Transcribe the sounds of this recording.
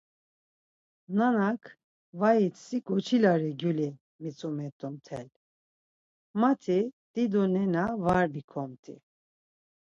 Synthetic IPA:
nanakʰ | vajit͡s̪siɡɔt͡ʃʰilaɾɛɡjuli | mit͡sʼumɛt̪ʼɔmt̪ʰɛ̰l | mat̪ʰid̪̥id̪ɔnɛnavaɾbikʰɔmt̪ʰʼḭ

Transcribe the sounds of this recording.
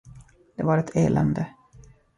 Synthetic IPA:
d̪̥ɛvaɾɛt̪ʰeːlʔɛ̰nd̪ə

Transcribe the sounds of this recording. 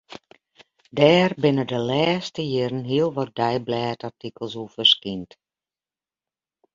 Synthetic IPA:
dɛːrbɪnədəlɛːstəjɪɾənɦiəlˠʋɔt̚dɛjblɛːtartikəlˠsufərskint

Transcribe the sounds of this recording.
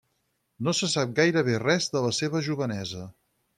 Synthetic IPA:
nosəsap̚ɡajɾəβ̞erɛzðələseβ̞əʒuβ̞ənɛzə

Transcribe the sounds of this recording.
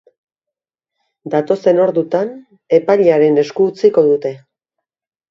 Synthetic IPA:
d̪at̪o̞se̞no̞ɾðut̪an | e̞paʎaɾe̞ne̞skuːt͡siko̞ðut̪e̞

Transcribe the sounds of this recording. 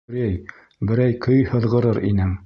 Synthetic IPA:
ɾæj | bɘ̆ɾæjkʰɵjhɤ̆ðʁɤ̆ɾɤɾinɘŋ

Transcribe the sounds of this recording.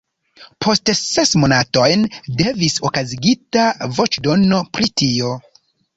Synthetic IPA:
pʰo̞stse̞smonato̞jnde̞visokaziɡitavo̞t͡ʃdo̞no̞pɾitio̞

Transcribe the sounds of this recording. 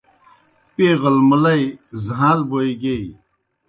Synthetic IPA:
peːɣɐlmɐlɐjzɦãːlboiɡei

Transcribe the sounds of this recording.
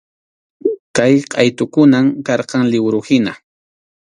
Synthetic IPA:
kajqʼɑjt̪ʊkʊnamkɑɾqɑŋlɪwɾʊhɪna

